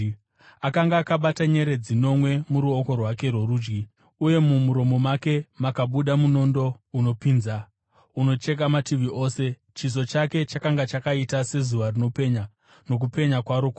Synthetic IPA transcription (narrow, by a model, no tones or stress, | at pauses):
akaŋɡaːkaɓataɲe̞ɾe̞d͡zino̞mwe̞muɾuoko̞rwake̞ɾo̞ɾuːd͡ʒɡi | uje̞mumuɾo̞mo̞make̞makaɓuɗamuno̞ndo̞uno̞pinza | uno̞t͡ʃe̞k̬amatiʋiʔo̞ːse̞ | t͡ʃis̬o̞t͡ʃake̞t͡ʃakaŋɡat͡ʃakaitase̞zuʋarino̞pe̞ɲa | no̞k̬upe̞ɲakwaɾoko